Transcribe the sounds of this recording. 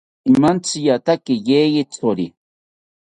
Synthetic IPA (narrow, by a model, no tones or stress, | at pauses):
imant͡sijat̪akijejit͡soɾi